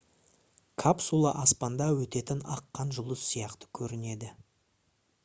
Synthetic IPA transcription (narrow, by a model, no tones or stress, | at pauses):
kʰapsulˠɑʔɑspɑnd̪ɑwɵt̪e̞t̪ɪnɑ̰qːɑnʒʊlˠəssijɑqt̪ə̥kʲʰɵɾɪne̞d̪ɪ